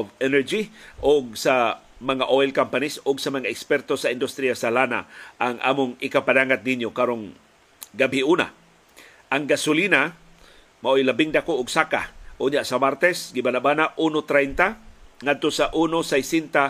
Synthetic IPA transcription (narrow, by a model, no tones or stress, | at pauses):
ovɛnɛɾd͡ʒiʔʊɡ̚sa | maŋaʔoilkampanisʊɡsamaŋaɛkspɛɾt̪osaɪnd̪ʊst̪ɾiasalana̰ʔaŋʔa̰ːmʊŋɪkapanaŋat̪̚niɲjokaɾoŋ | ɡabiʔuna̰ | ʔaŋɡasʊlina | maʔojlabɪŋd̪akoʔʊɡsaka̰ʔʊɲjaʔsamaɾt̪ɛsɡɪbanaʔbanaʔunot̪ɾɛjnt̪aŋad̪̚t̪osaʔunosajsint̪a